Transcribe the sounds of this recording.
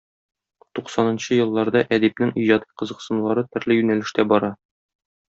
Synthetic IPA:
t̪uqsɑnɤ̆nɕɤjɤ̆lˠːɑɾd̪ɑʔæd̪ip̚nɘŋiʑɑt̪iqɤ̆zɤ̆qsɤ̆nlˠɑɾɤt̪ɘ̆ɾlɘjʉnælɘ̆ʃt̪æbɒɾɑ

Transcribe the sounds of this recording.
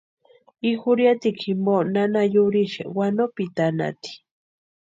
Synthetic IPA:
ixʊɾjat̪ikʰimonanajuɾiʃḛwanopit̪ana̰t̪i̥

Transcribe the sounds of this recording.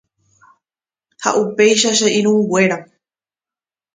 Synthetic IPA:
ha̰ʔupe̞jʃaʃeʔĩɾ̃ũɡwe̞ɾa

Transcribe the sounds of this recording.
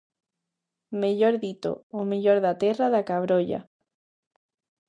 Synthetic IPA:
meʎoɾðit̪o̰omeʎoɾðat̪eraðakaβɾoʎa̰

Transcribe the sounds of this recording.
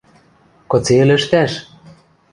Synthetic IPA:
kŏt͡selɘ̆ʃt̪æʃ

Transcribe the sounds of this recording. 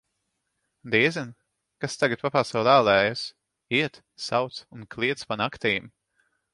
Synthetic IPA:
d̪iɛzɛn | kast̪aɡat̪̚papaːsawlæːlˠɛːjas | iɛt̪ | sawt̪sunklʲˠiɛt̪spanakt̪iːm

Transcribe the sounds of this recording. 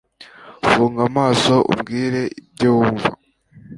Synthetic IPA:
fuːŋɡamaːso̞ʔṵmɡiːɾe̞ib̚ɟowuɱva

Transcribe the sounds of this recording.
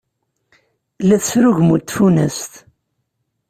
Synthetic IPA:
læθsɾuʝmut̪ːfunəst̪

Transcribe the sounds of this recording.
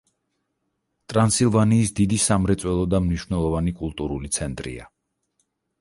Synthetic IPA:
t̪ʼɾansilˠvaniːsd̪id̪isamɾɛt̪sʼwɛlˠɔd̪amniʃvnɛlˠɔvanikʼulˠt̪ʼuɾulit̪sʰɛnt̪ʼɾḭa̰

